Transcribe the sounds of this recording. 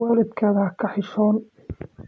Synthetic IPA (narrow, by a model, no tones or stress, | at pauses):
aːlɪd̪kʰaːðɐhɐkʰɐħɪʃɔːn